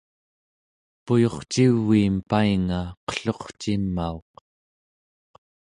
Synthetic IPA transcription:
pujo̞χt͡ʃivːiːmpaiŋaqə̥ɬo̞χt͡ʃimːaoq

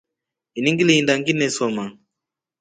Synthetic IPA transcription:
iniŋɡiliindaŋɡinɛsɔma

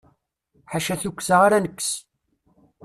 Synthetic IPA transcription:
ħaʃæθukʷːsaʁaɾanəkːs

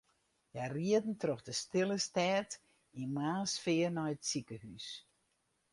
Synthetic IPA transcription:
jɛriədn̩troxdəstɪlˠəstɛːt | inmaːsfɪərnɔjətsikəhys

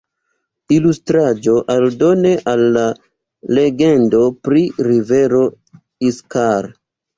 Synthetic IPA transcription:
ilustɾad͡ʒo̞ʔaldo̞ne̞ʔalːa | le̞ɡe̞ndo̞pɾiɾive̞ɾo̞ | iskaɾ

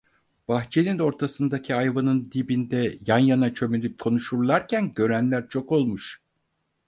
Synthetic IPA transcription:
b̥axt͡ʃʰenino̞ɾt̪ʰasɯnd̪acʰiajvanɯnd̪ibind̪ɛjanjanat͡ʃʰø̞melip̚kʰo̞nuʃuɾlˠaɾcʰænɟø̞ɾænlʲæɾt͡ʃʰo̞ko̞lˠmuʃ

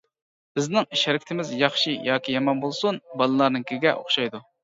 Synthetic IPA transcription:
b̥ɪznɪŋʃɛɾɪkʲi̥t̪ʰɪmɪzjɑχʃijɑːkʲijɑmɑnbolˠsunbɑlˠɨlˠɑɾnɨŋkʲʰiɡʲɛʔo̰χʃɑjd̪u

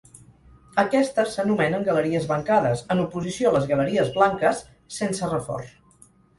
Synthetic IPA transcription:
əkɛst̪əsənumɛnəŋɡələɾiəzβəŋkaðəzənupuzisioləzɣələɾiəzβlaŋkəsː | ensərəfɔ̰rs

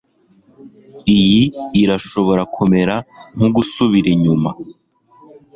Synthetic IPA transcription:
ijiːɾaʃo̞βo̞ɾakʰome̞ɾaŋ̥uɡusuβiɾiɲuma

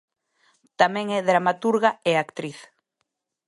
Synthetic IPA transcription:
t̪amɛ̃ŋɛðɾamat̪uɾɣaeakt̪ɾiθ

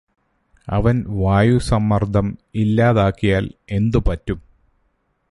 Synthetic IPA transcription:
ɐ̰ʋɐnʋaːjusɐmːɐrd̪ʱɐmilːaːðaːkːijaːle̞nd̪upɐtːum

